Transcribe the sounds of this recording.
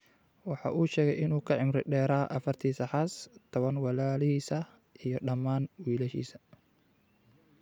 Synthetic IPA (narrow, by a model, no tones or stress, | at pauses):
wɑħɑ̰ːʔuːʃɛːɣɛjɪnuːkʰɐʕɪmɾɪɖɛːɾaːʔɐfɐrt̪ʰiːsɐħɑst̪ʰɔβɐnwɑlaːlɪhiːsɐ | ʔijɔɖɐmaːnwiːlɐʃḭːsɐ̥